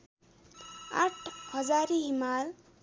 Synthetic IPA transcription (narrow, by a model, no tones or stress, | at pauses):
a̰ʈʰhʌd͡zaɾiɦimal